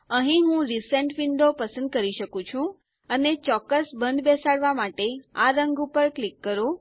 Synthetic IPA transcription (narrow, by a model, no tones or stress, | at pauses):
ə̃ɦĩɦũɾisəɳʈʋiɳɖopəsə̃nd̪̚kəɾiʃəkũt͡ʃʰũ | ənet͡ʃɔkːəsbənd̪besaɽʋamaʈeaɾəŋɡupəɾklikːəɾo